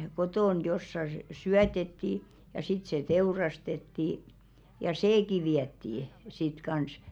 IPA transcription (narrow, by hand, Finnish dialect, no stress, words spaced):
kotoˑn josːɑ s syætetːiˑ jɑ sit se teurɑstetːiˑ jɑ seːki ʋiætːiˑ sit kɑns